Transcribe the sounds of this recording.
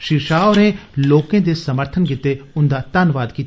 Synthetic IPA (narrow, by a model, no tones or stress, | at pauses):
ʃɪɾʃaːonẽloːkẽd̪esɐməɾt̪ʰənkɪt̪ːeʊnd̪at̪ɐnʋaːd̪kit̪